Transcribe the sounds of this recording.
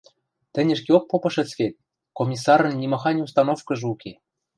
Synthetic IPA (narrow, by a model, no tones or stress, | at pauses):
t̪ɘ̆nʲɘ̆ʃkeok̚popɤ̆ʃɘ̆t͡sket̪̚ʲ | komʲis̬ɑɾɤ̆nːʲimɑxɑnʲus̬t̪ɑnofkɤ̆ʒɤuke